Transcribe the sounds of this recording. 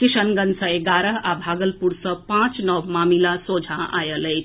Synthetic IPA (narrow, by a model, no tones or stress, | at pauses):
kisənɡənsə̃eɡaːɾəɦabʱaɡəlpuɾsə̃pãt͡ʃnɔbmamilasod͡ʒʱãʔa̰jələjt͡ʃʰ